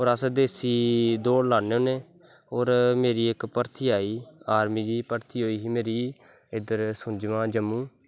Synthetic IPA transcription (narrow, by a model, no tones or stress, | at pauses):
ɦoːɾəsd̪eːsiːd̪oːɽlaːneːoːneː | oːɾmeːɾiːɪkpəɾt̪ʰiːaːiːaːɾmiːd͡ʒ̪iːpəɾt̪ʰiːɦoːiːɦiːmeːɾiː | ɪd̪əɾsʊ̃d͡ʒmãːd͡ʒəmːũː